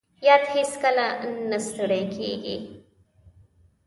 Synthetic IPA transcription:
jad̪hiskalanəst̪əɽekʰḛɡḭ

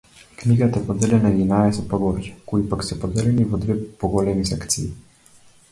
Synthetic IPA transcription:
kniɡat̪ɛpɔd̪elʲɛnajinaːjasɔpɔɡoɾd͡ʒɛ̥kuipaksɛpɔd̪elʲɛnivəd̪ʋeːpɔɡolɛnisɛkt̪siji

